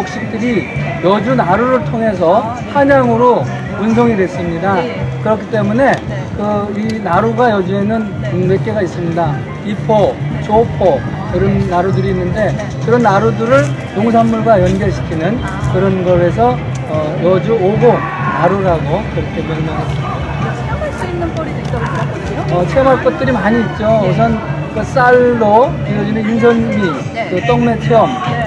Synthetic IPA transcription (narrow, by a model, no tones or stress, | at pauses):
ok̚ɕ͈ik̚t͈ɯɾijʌd͡ʑunaɾuɾɯɭtʰoŋɦe̞s̬ʰʌ | haɲaŋɯɾo | unsʰʌŋidwe̞s͈ɯmɲidakɯɾʌkʰi̥t͈e̞mune̞ | kɯinaɾuɡajʌd͡ʑue̞nɯn | mek͈e̞ɡais͈ɯmɲida | pipʰot͡ɕopʰo | kɯɾʌnːaɾudɯɾiːnːɯnde̞ | kɯɾʌnːaɾudɯɾɯɭ | joŋs̬ʰanːuɭɡwajʌnɡjʌɭɕʰi̥kʰinɯn | kɯɾʌnɡʌɭesʰʌ | ʌjʌd͡ʑuoɡoŋ | naɾuɾaɡokɯɾʌkʰemeɾmʌnɦas͈ɯmɲidda | aɕ͈iinːɯnpoɾidt͈ʌkaɡʌ | oʌt͡ɕʰeʌmaɭk͈ʌt̚t͈ɯɾimaɲiːt̚t͡ɕ͈oʌs̬ʰʌn | kɯs͈aɭːo | inʌd͡ʑinɯnins̬ʰʌnmi | kɯt͈ʌŋme̞t͡ɕʰeʌm